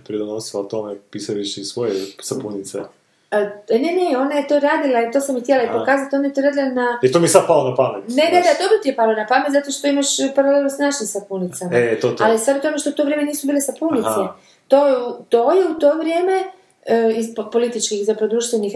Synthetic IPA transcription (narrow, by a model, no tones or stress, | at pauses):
pɾid̪onosilat̪omepisaliʃisʋo̞jesapunit̪sḛ | neneo̞najet̪o̞ɾaːd̪ilait̪o̞samixt̪jelaipo̞kaːzat̪onajet̪oɾaːd̪ilanait̪omiesad̪̚palˠonapamet̪neɡed̪ad̪o̞bɾot̪ijepalonapamet̪zat̪oʃt̪oimaʃpaɾalelnosnat͡ʃinsapunit̪samaet̪ot̪alisad̪ut̪omeʃt̪out̪o̞ʋɾjeme̞niːsubiːlesapunit̪e | t̪ojeut̪o̞jeut̪o̞ːʋɾjeːme̞ | izppo̞lit̪it͡ʃkixzapɾod̪ɾuːʃt̪ʋenix